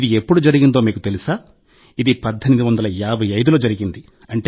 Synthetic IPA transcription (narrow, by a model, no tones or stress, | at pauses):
d̪iepːuɽud͡ʒɐɾiɡind̪o̞ːmiːkut̪e̞lisaː | id̪ipɐd̪ʱːɐnid̪iʋɐnd̪ɐlɐjaːbʱɐjɐjd̪ulo̞ːd͡ʒɐɾiɡind̪i | ɐɳʈe